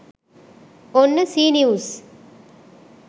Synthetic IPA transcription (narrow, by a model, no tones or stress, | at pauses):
onːɨsiːnijuːs